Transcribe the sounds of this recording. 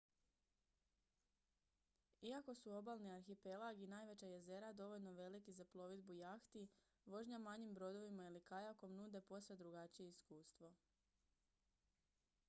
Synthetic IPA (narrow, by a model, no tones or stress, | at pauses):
iako̞suo̞balniaɾxipe̞lˠaɡinaːjʋe̞t͡ɕaje̞ze̞ɾad̪o̞ʋo̞ʎno̞ʋe̞likizaplˠo̞ʋid̪bujaxt̪i | ʋo̞ʒɲamaɲimbɾo̞d̪o̞ʋimailikajako̞mnuːd̪e̞po̞sed̪ɾuɡat͡ɕije̞iskuːst̪ʋo̞